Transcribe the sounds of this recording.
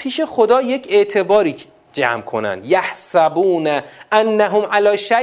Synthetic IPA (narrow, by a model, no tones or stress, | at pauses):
pʰiːʃe̞xod̪ɒːje̞cʰe̞ʔt̪ʰe̞bɒːɾiː | d͡ʒæ̰mkʰo̞̰næ̰nd̪jæhsæbuːnæʔænːæɦomʔælɒːʃæ